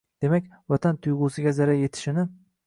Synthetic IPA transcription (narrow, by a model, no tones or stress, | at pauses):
d̪̥e̞makʲvat̪ʰant̪ʰʊjʁʊːsɪɡʲazaɾaje̞t̪ʰɪ̥ʃɪnɪ